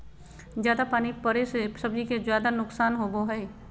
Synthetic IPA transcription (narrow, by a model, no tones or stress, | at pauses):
zjaːd̪apaːnipəɾesesəb̚d͡ʒikezjaːd̪anʊksaːnɦoɡoɦɛː